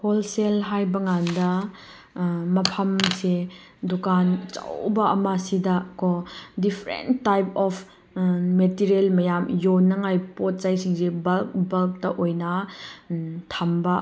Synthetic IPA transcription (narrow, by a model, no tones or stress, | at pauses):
holselɦajbɐŋandɐ | mɐpʰɐmse | dukant͡ʃa̰wbɐʔɐmasidɐkɔdipʰɾḛnːajpɔpʰ | metiɾelmɐjamjonːɐŋajpɔt̚zajsiŋsebɐlkbɐlk̚tɐʔojnɐ | tʰambɐ